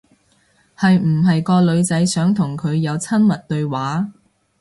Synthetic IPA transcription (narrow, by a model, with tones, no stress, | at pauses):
hɐ˨jm̩˨˩ɦɐ˨jkɔː˧lɵ˨˧ɥt͡sɐ˨˥jsœː˨˥ŋt̪ʰʊ˨˩ŋkʰɵ˨˧ɥjɐ˨˧wt͡sʰɐ˥nmɐ˨t̚t̪ɵ˧ɥwaː˨˥